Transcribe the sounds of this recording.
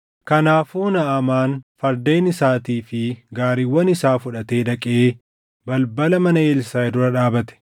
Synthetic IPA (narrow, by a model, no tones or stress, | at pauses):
kɐnaːfuːnɐɐmaːnfɐɾd̪e̞ːnɪsaːt̪iːfɪɡaːɾiwːɐnɪsaːfʊᶑɐt̪e̞ːd̪ɐkʼɪeː | bɐlbɐlɐmɐnɐeːlsaːɛd̪ʊɾɐᶑaːbɐt̪ɛ̥